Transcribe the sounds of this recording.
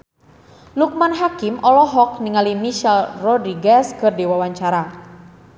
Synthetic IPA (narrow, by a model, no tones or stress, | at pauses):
luk̚manɦakimɔlɔɦɔk̚niŋalimiʃalrɔdɾiɡaskɨrdiwawaɲt͡ʃaɾa